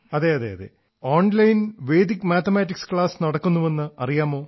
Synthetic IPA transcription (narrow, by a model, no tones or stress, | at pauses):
ɐðeːɐðḛːɐ̰ðḛ | oːɳlɐjnʋe̞ːd̪ikːmaːt̪ʰɐmaːtːikskɭaːsnɐɽɐkːunːuʋenːɨɐrijaːmo̞ː